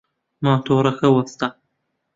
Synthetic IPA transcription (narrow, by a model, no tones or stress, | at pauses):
maːt̪ʰoːɾɐxɐwɐst̪a